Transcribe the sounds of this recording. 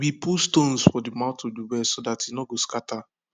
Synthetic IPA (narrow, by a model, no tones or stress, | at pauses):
wipʰustõnsfɔdimãʊtoduwɛsodatinɔɡoskatʰa